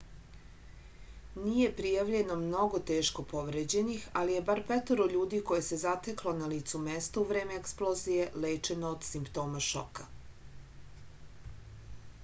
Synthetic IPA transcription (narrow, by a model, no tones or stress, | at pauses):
nije̞pɾijaʋʎe̞no̞mno̞ɡo̞t̪eːʃko̞po̞ʋɾed͡ʑe̞nixalije̞baɾpɛt̪oɾoʎuːd̪iko̞je̞se̞zat̪eklˠo̞naliːt̪sumest̪ouʋɾe̞ːmeeksplˠozijele̞ːt͡ʃe̞noːd̪simpt̪o̞ːmaʃo̰ka